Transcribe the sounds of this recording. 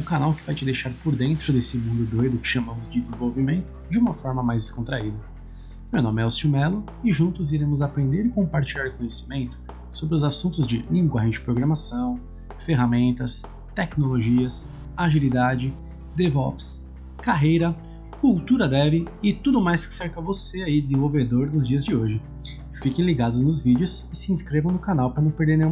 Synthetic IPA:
ʊkanawkɪvajt͡ʃɪd̪ejʃaɾpoɾd̪ẽnt̪ɾʊd̪esɪmũnd̪ʊd̪ojd̪ʊkɪ̥ʃamɐ̃mʊzd͡ʒɪdd͡ʒ̪ɪzẽvowvimẽnt̪ʊ̥d͡ʒɪũmɐfɔɾmɐmajzd̪ɪskõt̪ɾaid̪ɐ | mewnõmɪɛʊsumɛlʊ | ɪʒũnt̪ʊziɾẽmʊzapɾẽnd̪eɾɪkõpaɾt͡ʃilʎaɾkõɲesi̥mẽnt̪ʊ̥ | sobɾɪʊzasũnt̪ʊzd͡ʒɪlĩŋɡwaɦẽd͡ʒɪ̥pɾoɡɾɐmasɐ̃w̃ | feɦamẽnt̪ɐs | t̪ɛknoloʒiɐs | aʒilid̪ad͡ʒɪ | d̪evɔps | kaɦejɾɐ | kuwt̪uɾɐd̪ɛvɪɪt̪ud̪ʊmajskɪ̥seɾkɐvoseaid͡ʒɪzẽvowved̪oɾnʊzd͡ʒiɐzd͡ʒɪoʒɪ | fikẽj̃liɡad̪ʊznʊzvid͡ʒɪʊsɪsɪĩskɾevɐ̃w̃nʊkanawpɾɐnɐ̃w̃peɾd̪eɾnẽjũ

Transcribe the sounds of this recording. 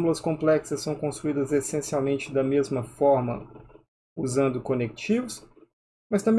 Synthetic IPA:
mulɐskõmplɛksɐsːɐ̃w̃kõsuid̪ɐzesẽsiawmẽnt͡ʃɪd̪ɐmezmɐfɔɾmɐ̰ | uzɐ̃nd̪ʊkonek̚t͡ʃivʊs | mɐst̪ɐ̃mbe

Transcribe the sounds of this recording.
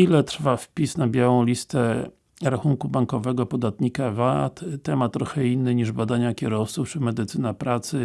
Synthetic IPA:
ilɛt̪ɾfafpʲisnabʲjawɔ̃w̃lʲist̪ɛ | ɾaxuŋkubaŋkɔvɛɡɔpɔd̪at̪ɲikavat̪t̪ɛmat̪ːɾɔxɛinːɘɲiʐbad̪aɲakʲɛɾɔft̪suft͡ʂɘmɛd̪ɘt̪sɘnapɾat̪sɘ

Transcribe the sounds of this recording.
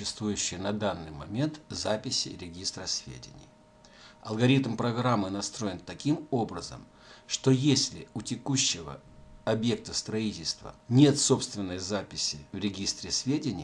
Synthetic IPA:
ʊɕːɪst̪vujʉɕːɪjnɐd̪anːɨjmɐmʲe̞nt̪zapʲɪsʲɪ̰ɾʲɪɡʲist̪ɾəsʲvʲḛdʲɪ̰nʲɪ̰j | ɐ̰lˠɡɐɾʲit̪mpɾɐɡɾamːɨnɐst̪ɾo̞jɪnt̪ɐkʲimo̞bɾəzə̰m | ʂt̪o̞jesʲlʲɪʊtʲɪkuɕːɪvə̰ | ɐbje̞k̚t̪əst̪ɾɐitʲɪlʲst̪və̰nʲe̞t̪so̞pst̪vʲɪnːəjəzapʲɪsʲɪvɾʲɪɡʲist̪ɾʲɪsʲvʲedʲɪnʲɪj

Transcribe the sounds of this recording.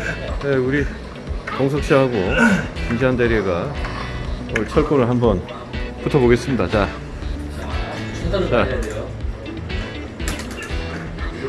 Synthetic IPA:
neuɾi | kʌŋs̬ʰʌk̚ɕ͈iɦaɡot͡ɕind͡ʑiandeɾeɡa | ʌt͡ɕʰʌɭk͈onɯɭɦambʌn | putʰʌboɡes͈ɯmɲidat͡ɕa | t͡ɕa

